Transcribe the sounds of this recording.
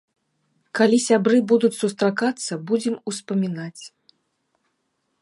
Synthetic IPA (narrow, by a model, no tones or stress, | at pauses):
kalʲisʲabɾɨbud̪ut͡sʲsust̪ɾakat̪sːɐbud͡zʲɛmuspɐmʲinat͡sʲ